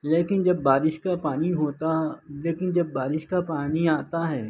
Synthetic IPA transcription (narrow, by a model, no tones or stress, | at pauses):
leːkɪnd͡ʒɐbːaːɾɪʃkapaːniɦoːt̪aleːkɪnd͡ʒɐbːaːɾɪʃkapaːniaːt̪aɦɛː